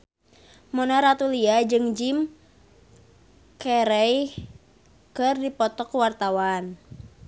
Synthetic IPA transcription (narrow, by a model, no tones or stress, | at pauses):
mɔnaɾat̪uliad͡ʒɨŋd͡ʒim | kɛɾɛj | kɨrdipɔt̪ɔkuwart̪awan